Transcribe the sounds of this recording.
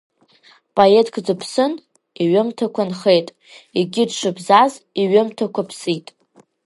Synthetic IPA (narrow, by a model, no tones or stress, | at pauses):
pʼoetʰkʰʼd͡zɨpʰsɨn | iɥʊmtʰakʷʰanχe̞jtʼ | iɡʲɪdʃʷɨbzaziɥʊmtʰakʷʰapʰsitʼ